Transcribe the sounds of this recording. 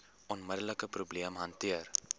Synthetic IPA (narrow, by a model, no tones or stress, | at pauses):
ɔnmədələkəpɾubliəmɦɐntiər